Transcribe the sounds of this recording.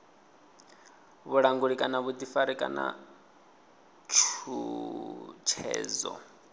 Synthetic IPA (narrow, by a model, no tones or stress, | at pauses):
βuɺaŋɡuɺikʼanaβud̪ifaɾikʼa̰na̰ | t͡ʃʰu | t͡ʃʰɛ̰ːzɔ̰